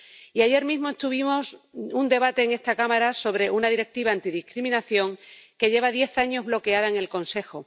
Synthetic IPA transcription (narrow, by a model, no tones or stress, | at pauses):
iaʝe̞ɾmizmoest̪uβ̞imo̞sund̪e̞βat̪e̞ːŋe̞st̪akamaɾaso̞βɾe̞ʔunaðiɾe̞k̚t̪iβaːnt̪iðihkɾimĩnaθjo̞ŋke̞ʝe̞βaðje̞θaɲo̞ɦβlo̞ke̞aðaeŋe̞lkõ̞nse̞xo